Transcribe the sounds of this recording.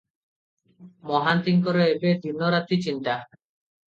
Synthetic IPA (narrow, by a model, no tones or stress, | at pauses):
mɔɦant̪iŋkɔɾeebed̪ʱinːoɾat̪it͡ɕint̪a